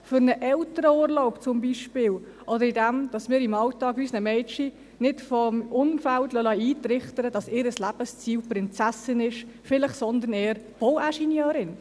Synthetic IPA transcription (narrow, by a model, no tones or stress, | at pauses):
fʏɾnəʔɛltəɾəuːəɾloʊpt͡sʊmbiʃpɪːl | ʔɔdəɾidɛmd̥ɑsmɪːɾɪmɑltɑːkyːsnəmɛɪt͡ʃi | nɪtfɔmʊnfæltlœlɑiːtɾɪχtəɾəd̥ɑsɪːɾəslæb̥əst͡siːlpɾɪnt͡sæsɪnɪʃfɪləχsɔnd̪əɾnɛːəɾb̥owæʃinjøːɾɪn